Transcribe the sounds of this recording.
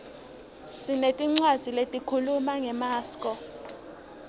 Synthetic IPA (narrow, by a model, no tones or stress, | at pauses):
sinetʼiŋ͡ǀwḁz̥ʱiletʼikʰulumaŋɛmaːskʼɔ